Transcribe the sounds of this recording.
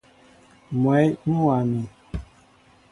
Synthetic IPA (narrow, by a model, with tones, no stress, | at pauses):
m˨ɛ˨˦jnũ˦wa˨mi˨